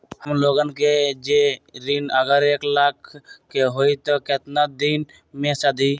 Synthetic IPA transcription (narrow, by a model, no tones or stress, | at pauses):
həmloɡənked͡ʒeɾinəɡəɾeklaːkʰː | eɦoit̪ɔket̪nad̪in | mẽsəd̪i